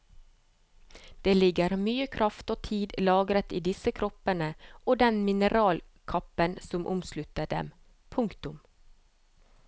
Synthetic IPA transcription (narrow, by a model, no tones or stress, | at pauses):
d̪̥eːlɪɡəɾmyːəkʰɾɑft̪oːt̪ʰiːd̪lɑːɡɾət̪iːd̪ɪsəkʰɾɔpənəʔoːd̪ɛnmɪnəɾɑːl | kʰɑpənsɔmʔʊ̰mslʉt̪ədɖɛ̰m | pʰʊŋkt̪ʊm